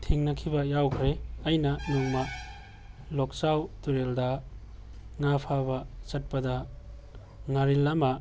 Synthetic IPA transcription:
tʰiŋnɐkʰibɐjawkʰɾeɐjnɐnuŋmɐ | lok̚sawtuɾeldɐ | ŋapʰabɐsɐt̚pɐdɐ | ŋaɾilːama

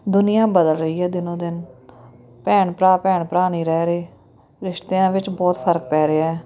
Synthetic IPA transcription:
d̪ʊnɪjãːbəd̪əlɾəiːɛːd̪ɪnõːd̪ɪn | pɛːɳpɾaːpɛːɳpɾaːñiːɾɛːɾeː | ɾɪʃt̪eːãːʋɪt͡ʃbɔːt̪pʰəɾk̚pɛːɾeːɛː

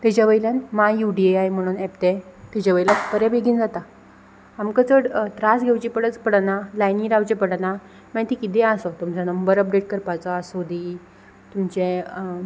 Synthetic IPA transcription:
t̪ɛt͡ɕaʋəilanmajuɖieajm̤əɽ̃uːnɛpt̪ɛ̃t̪ɛt͡ɕaʋəilapəɾɛbeɡʱiːnd͡zat̪a | amkət͡səɽt̪ɾasɡʱewt͡ɕipəɽət͡spəɽnalajniɾawt͡ɕepəɽna | mə̃t̪ikid̪ɛ̃asɔt̪umt͡sanəmbəɾəp̚ɖeʈ̚kəɾpat͡sɔːsod̪iː | t̪umt͡ɕe

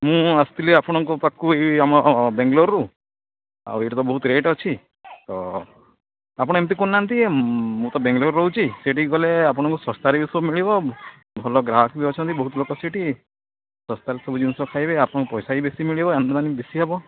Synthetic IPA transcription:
mũast̪ileapɔɽ̃ɔŋkupakːueamɔbeŋɡloɾɾu | a̰eʈɔt̪ɔbɔɦut̪ɾeʈɔt͡ʃʰi | t̪ɔ | apɔɽ̃emt̪̬ikunːant̪iemũt̪ɔbẽŋɡloɾɾɔɦut͡ʃʰisiʈiɡɔleapɔɽ̃ɔŋkusɔst̪aɾibisɔbmiɭibɔ | bʱɔlɔɡɾaɦɔkibiɔt͡ʃʰɔnt̪ibɔɦut̪lokɔsiʈi | sɔst̪aɾisɔbud͡ʒinsɔkʰajbeapɔɽ̃ɔ̃ŋkupɔjsaibesimiɭibɔend̪d̪anibesiɦabɔ

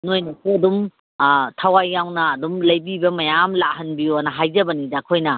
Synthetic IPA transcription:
nojnɐsiɐdum | tʰawajːawnɐːdumlɐjbibɐmɐjamlahɐnbioɐnɐɦajzɐbɐnidakʰojnɐ

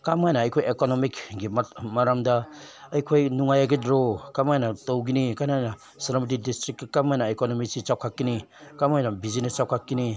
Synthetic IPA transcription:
kamajnaːjkʰojekonomikɡimmaɾamda | ɐjkʰojnuŋajaɡidɾokamajnatowɡinikanajna | sɐɾamit̬idistɾik̚kikamajnaekonomisit͡ʃawkʰakːinikamajnabizinit͡ʃawkʰakːini

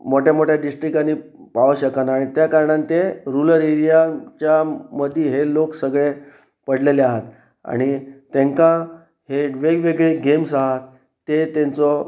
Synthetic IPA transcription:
moʈjamoʈjaɖisʈɾikanːi | paʋəɕəkanaɽ̃it̪jakaɾɳant̪eɾuləɾiɾijat͡ɕjaməd̪ʱiɦeloksəɡɭe | pəɽleleaɦat̪ | a̰ɽ̃it̪ẽŋkã | ɦeʋeɡʋeɡɭeɡemsaɦat̪ː | et̪ent͡sɔ

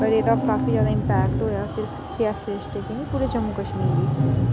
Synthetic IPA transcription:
ʌɾet̪ʌːbkapid͡ʒaːd̪aimpækʈɦujosiɾpʰt̪iasesʈekinipuɾed͡zʌmːukət͡ʃʰmiɾki

